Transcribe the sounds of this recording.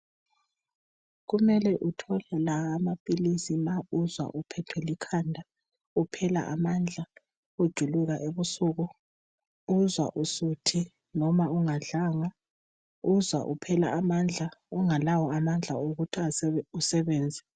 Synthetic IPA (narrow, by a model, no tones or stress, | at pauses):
ɣumɛlɛʔutʰɔlɛlaːmapʼilisimauzwa̰ʔupʰɛtʰwɛlikʰandʱa | upʰɛla̰ʔamand͡ɮʱa | ud̥ʒ̥ʱuluɣaʔeβusuɣɔ | uzwa̰ʔusutʰi | nɔmauŋaɮaŋa | uzwa̰ʔupʰɛla̰amand͡ɮʱauŋalawɔamand͡ɮʱaoɣutʰiausɛβɛːnd͡zʱɛ